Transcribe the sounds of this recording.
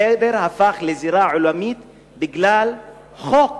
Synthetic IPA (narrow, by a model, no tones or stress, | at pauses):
ebeɾhafaχleziɾaʕulamit̪ | biɡlal | χok